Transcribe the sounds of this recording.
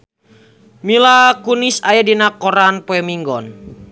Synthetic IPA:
milakunisajadinakɔɾanpɔɛmiŋɡɔn

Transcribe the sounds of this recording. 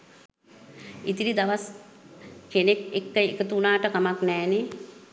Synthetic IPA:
it̪iɾid̪aʋas | kenekekːəekət̪unaːʈəkamaknɛːne

